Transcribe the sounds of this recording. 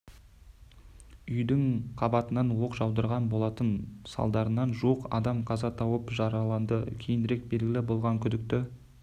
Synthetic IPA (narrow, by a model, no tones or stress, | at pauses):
ʏjd̪ɪŋqʰɑbɑt̪ənɑnwo̞qʒɑwd̪əɾʁɑnbo̞lˠɑt̪ənsɑ̰lˠd̪ɑɾənɑnʒuqɑ̰d̪ɑmqʰɑzɑt̪ʰɑwəpʒɑɾɑlˠɑnd̪əkʲʰejɪnd̪ɪɾe̞k̚be̞lɡʲɪlɪbo̞lˠʁɑŋkʲʰʏd̪ɪk̚t̪ɪ